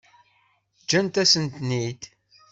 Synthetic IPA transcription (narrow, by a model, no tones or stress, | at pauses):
d͡ʒːænt̪æsənt̪nid̪